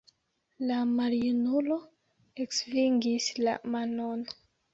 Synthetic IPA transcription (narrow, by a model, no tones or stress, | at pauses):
lamaɾiunulo̞ | eksviŋɡisla̰manon